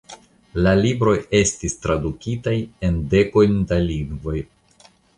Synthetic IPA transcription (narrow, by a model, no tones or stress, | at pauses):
lalibɾo̞je̞stistɾadukʲitaje̞nde̞ko̞jndaliŋɡvo̞j